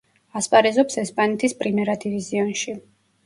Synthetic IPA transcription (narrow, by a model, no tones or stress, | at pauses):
aspʼaɾɛzɔpsɛspʼanɛt̪ʰispʼɾimɛɾad̪iviziɔnʃi